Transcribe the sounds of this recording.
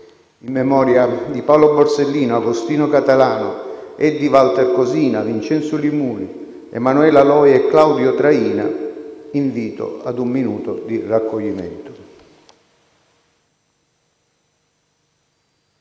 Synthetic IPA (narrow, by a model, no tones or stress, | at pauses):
imːɛmɔːɾjad̪ipawlobɔɾselːiːnoaɡost̪iːnʊkat̪alaːnʊɛd̪ːivalt̪erkoziːnavint͡ʃɛnt̪sʊlimuːli | ḛmːanuɛlalɔːjɛkːlawd̪jot̪ɾaiːna̰iɱviːt̪o̰ad̪umːinuːt̪ʊd̪irakːoʎːimɛ̰nt̪ʊ̥